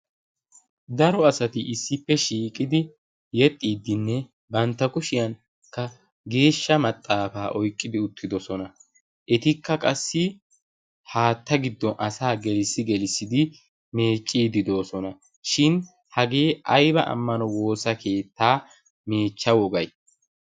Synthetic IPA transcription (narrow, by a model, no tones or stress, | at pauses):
d̪ɐɾɔɐsɐt̪ɪʔɪsːɪpːɛʃiːkʼɪd̪ɪ | jɛt̪ʼːiːd̪ːɪnːɛ | bɐnt̪ːɐkʊʃɪjɐn | kːɐ | ɡe̞ːʃːɐmɐt̪ʼːaːfaːʔɔjkʼːɪd̪ɪʊt̪ːɪd̪ɔsɔnɐ | ʔɛt̪ɪkːɐkʼɐsːɪ | haːt̪ːɐɡɪd̪ːɔnʔɐsaːɡɛlɪsːɪɡɛlɪsːɪd̪ɪ | me̞ːt͡ʃʼːiːd̪ɪd̪o̞ːsɔnɐ | ʃɪn | hɐɡe̞ːʔɐjbɐʔɐ̰mːɐnɔwo̞ːsɐke̞ːt̪ːaː | me̞ːt͡ʃːɐwɔɡɐj